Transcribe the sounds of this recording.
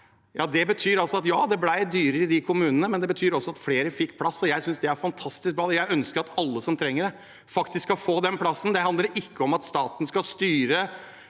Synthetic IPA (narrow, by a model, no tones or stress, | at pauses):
jɑːd̪ɛbət̪ʰyːɾɑlsɔɑt̪jɑːd̪ɛblæɪd̪yːɾəɪd̪ɪkʰʊmʉːnənəmɛnd̪ɛbət̪ʰyːɾɔsːɔɑt̪fleːɾəfɪkːpʰlɑsːɔjæɪsʏnsd̪ɛæɾfɑnt̪ʰɑst̪ɪsk̚bɾɑːd̪jæɪœnskəɾɑt̪ɑlːəsɔmt̪ʰɾɛŋːəɖɛ | fɑkt̪ɪskːɑfoːd̪ɛnpʰlɑsːnd̪ɛhɑnd̪ləɾʔɪkːəɔmɑt̪st̪ɑːt̪ən̩skɑlst̪yːɾə